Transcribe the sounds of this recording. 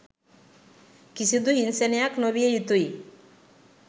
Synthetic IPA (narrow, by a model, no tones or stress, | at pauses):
kisid̪uɦinsenejaknoβiejit̪uj